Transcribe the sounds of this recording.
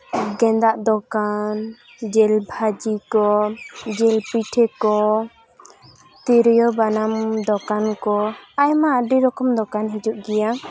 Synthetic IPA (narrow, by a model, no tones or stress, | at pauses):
ɡɛ̃nd̪aʔd̪ɔkan | d͡ʒɛlbʱad͡ʒikɔd͡ʒɛlpiʈʰɛkɔ | t̪iɾjɔbanamd̪ɔkankɔajmaːɖiɾɔkɔmd̪ɔkanɦid͡ʒuʔɡɛja